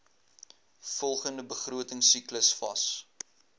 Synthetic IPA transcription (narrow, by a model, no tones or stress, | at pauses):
fɔlˠχəndəbəχruətəŋsikləsfɐ̰s